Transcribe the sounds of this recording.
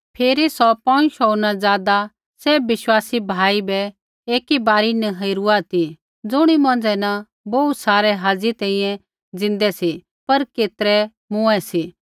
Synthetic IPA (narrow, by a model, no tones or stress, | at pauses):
pʰeːɾisɔpɐ̃ʃoːnad͡zaːd̪a | seːbʋɪʃwaːsibʱaːibɛ | eːkibaːɾinɛɦɐiɾuat̪i | d͡zʊɽ̃imɐ̃nd͡zɛna | boːut̪saːɾɛɦaːd͡zit̪ɛ̃ːĩjɛ̃ | d͡zɪ̃nd̪ɛsi | pɐɾkeːt̪əɾɛ | mʊ̃ɛsi